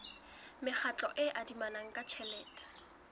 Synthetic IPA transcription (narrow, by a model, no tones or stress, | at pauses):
mɪχʰat͡ɬʼɔʔɪʔadimanaŋ̩kʼat͡ʃʰɛlɛːtʼḁ